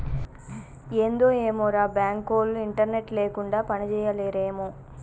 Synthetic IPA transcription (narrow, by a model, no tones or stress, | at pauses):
eːnd̪o̞ːeːmoːɾaːbjaːŋkoːlːuiɳʈɐɾne̞ʈleːkuɳɖaːpɐnit͡ʃɛːjɐleːɾeːmoː